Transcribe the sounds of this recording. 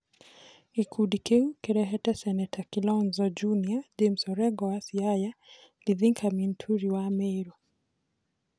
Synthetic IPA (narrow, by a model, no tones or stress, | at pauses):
ikʰudikʰɛukɛɾɛɦɛtɛsɛnɛtʰakilɔnzɔd͡ʒuniad͡ʒɛm̩sɔɾɛɡɔwasiaja | liðiŋkʰamintʰuɾiwamɛjɾɔ